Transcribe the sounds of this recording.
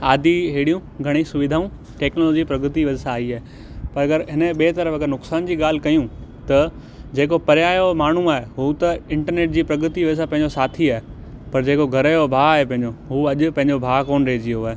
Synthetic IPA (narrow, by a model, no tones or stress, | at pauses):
aːd̪ʱiɦeːɽijũɡʱɐɽ̃isʊʋɪd̪ʱaːũ | ʈeːknolɔːd͡ʑipɾɐɡɾət̪iʋɐd͡ʑsãːiaːɦe | pɐɾɐɡəɾɦɪnəɓeːt̪ɐɾəfɐɡəɾnʊksaːnd͡ʑiːɠaːl̤ɪ̆kɐjũt̪ɐ | d͡ʑeːkopɐɾjaːjomaːɳ̤ũaːɦeɦuːt̪ɐɪ̃ɳʈəɾneːʈ̚d͡ʑiːpɾɐɡɾət̪iʋɐd͡ʑɪs̬ãpɐ̃ɦɪ̃ɲd͡ʑosaːt̪ʰiaːɦepɐɾd͡ʑeːkoɡʱɐɾəjobʱaːaːɦepɐ̃ɦɪ̃ɲ̆d͡ʑoɦuːɐʄʊ̆pɐ̃ɦɪ̃ɲd͡ʑobʱaːkoːnɾɐɦed͡ʑioaːɦe